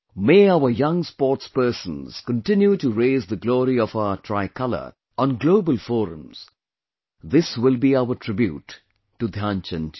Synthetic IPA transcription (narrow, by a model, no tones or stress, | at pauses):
meːaʊəjʌ̃ŋspɔːʈspɜːsə̃nz̥kə̃ntɪ̃njutuɾeɪzðəɡlɔːɾiɔfaʊətʰɹaɪkʰʌlə̰˞ | ʔɔ̃nɡloʊbəlfɔːɾə̰̃mz̥ | ðɪswɪlbiaʊətʰɹɪbjṵːtː | ud̪ʱjãːnt͡ʃə̃n